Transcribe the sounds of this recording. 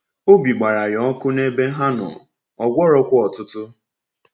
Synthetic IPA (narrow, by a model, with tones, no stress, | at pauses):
o˦bi˨ɡ͡ba˨ɾa˨jɔ˨ɔ˦kʊ˦ne˦be˦ɦa˦nɔ̰˨ | ɔ˨ɡʷɔ˦ɾɔ˦kʷʊ˦ɔ˨tʊ˦tʊ˦